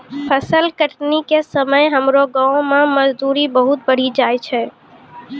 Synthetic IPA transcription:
pʰəsəlkəʈnikesəməjɦəmɾoɡãõmẽməd͡ʒd̪uːɾibəɦʊt̪̚bəɽ̤id͡ʒaːjt͡ʃʰɛ

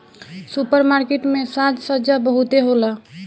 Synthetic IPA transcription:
supəɾmaɾkeʈmesãt̪səd͡ʒabəɦut̪eɦola

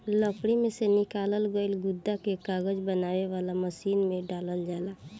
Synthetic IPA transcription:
ləpɽimesenikaləlɡəilɡʊd̪ːakekaɡəd͡ʒbənaːweʋalaməsiːnmeɖaləld͡ʒala

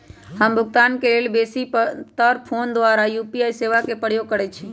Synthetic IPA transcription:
həmbʱʊɡ̚t̪aːnkeleːlbeːsipt̪əɾpʰond̪ʋaːɾajupiaːiseːʋakepəɽ̤jokəɾɛt͡ʃʰe

